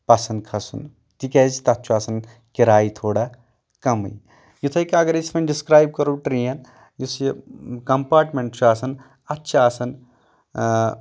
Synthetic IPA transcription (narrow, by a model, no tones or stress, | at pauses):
pɐsɐnkʰɐsṵn | t̪ikezit̪ɐt̪ːt͡ʃʰuasɐn | kiɾaːit̪ʰoːɽa | kɐmɐ̰j | jit̪ʰɐjkɐɡɐɾismɐnɖiskɾaːjb̚kɐɾuʈɾijɐn | jisjekɐmpaːɾʈmeɳʈt͡ʃʰuaːsɐn | ɐtːʃʰaːsɐn